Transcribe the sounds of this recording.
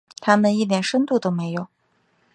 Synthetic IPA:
t̪ʰa˥mə˨ni˥˩t̪jɛ˨˩nʂə˥nt̪u˥˩t̪o˥ʊme˧˥ɪjo˨˩˦ʊ

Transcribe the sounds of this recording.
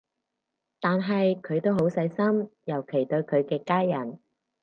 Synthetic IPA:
t̪aː˨nɦɐ˨jkʰɵ˨˧ɥt̪o˥wɦo˨˥wsɐ˨˧˥jsɐ˥mjɐ˨˩wkʰe˨˩jt̪ɵ˧ɥkʰɵ˨˧ɥkɛː˧kaː˥jːɐ˨˩n

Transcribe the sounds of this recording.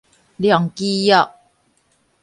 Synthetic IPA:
ljɔ˨ŋki˦jɔ˧ʔ̚

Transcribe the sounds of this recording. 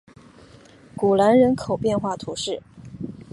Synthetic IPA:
ku˨˩la˧˥nɻə˧˥nkʰo˨˩ʊpjɛ˥˧nxwa˥˩t̪ʰu˧˥ʂɻ̩˥˩

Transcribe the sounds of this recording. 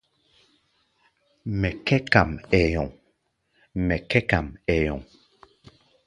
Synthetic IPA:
mɛ˨kɛ˦ka˨mɛ˨jɔ˨ŋ | mɛ˨kɛ˦ka˨mɛ˨jɔ̰˨ŋ

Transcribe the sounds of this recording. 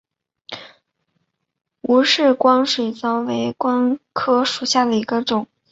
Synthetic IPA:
u˧˥ʂɻ̩˥˩kwɑ˥ŋʂwe˨˩ɪt͡sɑ˥ʊwe˧˥ɪkwɑ˥ŋkʰɤ˥ʂu˨˩ɕja˥˩d̪ə˩i˧˥ɡə˧ʈ͡ʂʊ˨˩˦ŋ

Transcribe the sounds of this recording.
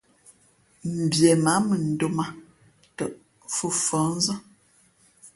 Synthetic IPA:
m̩˨bje˨ma˨˦mə˨n̩˨do˦ma˦ | tə˨ʔ | fu˦fɔ̃˨˦n̩˦zə˦

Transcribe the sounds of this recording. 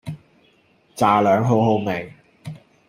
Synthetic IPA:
t͡saː˨lœː˨˥ŋɦo˨˥wɦo˧wme˨˩ŋ

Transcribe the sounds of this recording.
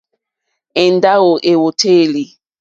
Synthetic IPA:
ɛ̃˨n˨˦da˦o˨ʔe˨wo˨tʰeː˦˨li˨

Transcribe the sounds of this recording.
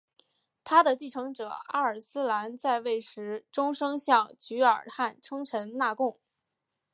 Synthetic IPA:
t̪ʰa˥d̪ə˨t͡ɕi˥˩ʈ͡ʂʰɤ˧˥ŋʈ͡ʂɤ̰˨˩a̰˥ə˞˨˩sɹ̩˥la˧˥nt͡sa˥˧ɪwe˥˩ɪʂɻ̩˧˥ʈ͡ʂʊ˥ŋʂɤ˥ŋɕjɑ˥˩ŋt͡ɕy˧˥ə̰˞˨˩xa˥˩nʈ͡ʂʰɤ˥ŋʈ͡ʂʰə˧˥nna˥˧kʊ˥˩ŋ

